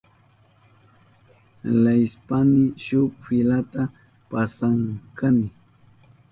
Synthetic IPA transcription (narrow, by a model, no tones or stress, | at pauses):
lajspanɪʃʊpfɪlat̪a | pasaŋkanɪ